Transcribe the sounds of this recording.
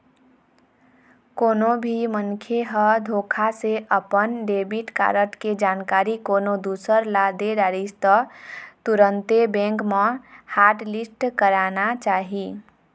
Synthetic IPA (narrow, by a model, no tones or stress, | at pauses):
konobʱimənkʰeɦəd̪ʱokʰaseʔəpənɖebiʈka̰ɾəʈked͡ʒankaɾikonod̪usəɾlad̪eɖaɾist̪ət̪uɾənt̪ebẽŋkmehaɾʈlisʈkəɾanat͡ʃaɦi